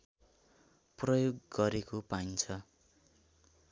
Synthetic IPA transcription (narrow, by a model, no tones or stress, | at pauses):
prʌjoɡɡʌɾekopaint͡sʰʌ